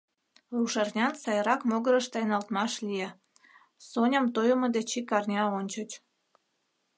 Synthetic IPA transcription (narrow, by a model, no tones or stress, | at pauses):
ruʃɑrnʲɑnsɑjɾɑkmoɣəɾəʃt̪ɑjnɑlt̪mɑʃlʲije | sonʲəmt̪ojəməd̪et͡ɕikɑrnʲɑonʲt͡ɕət͡ɕ